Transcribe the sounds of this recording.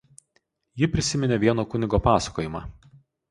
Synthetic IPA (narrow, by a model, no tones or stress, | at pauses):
jɪpʲɾʲɪsʲɪmʲɪnʲeːʋʲiɛnoːkʊnʲɪɡoːpɑːsɐ̥koːjɪmɑː